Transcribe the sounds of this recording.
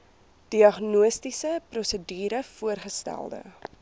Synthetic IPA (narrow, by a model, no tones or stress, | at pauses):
d̥iɐχnuəstisəprɔsədiːɾəfuərχəstæ̰lˠdə̰